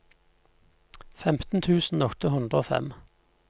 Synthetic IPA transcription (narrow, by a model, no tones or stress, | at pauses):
fɛmt̪n̩t̪ʰʉːsn̩ɔkt̪əhʉnd̪ʁəoːfɛ̰m